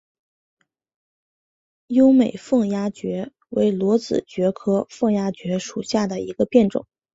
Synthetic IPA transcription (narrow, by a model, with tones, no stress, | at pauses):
jo˥ʊme˨˩ɪfɤ˥˩ŋja˥t͡ɕɥɛ˧˥ | we˧˥ɪlwɔ˧˥t͡sɹ̩˨˩t͡ɕɥɛ˧˥kʰɤ˥fɤ˥˩ŋja˥t͡ɕɥɛ˧˥ʂu˨˩ɕja˥˩d̪ə˩i˧˥ɡə˧pjɛ˥˩nʈ͡ʂʊ̰˨˩˦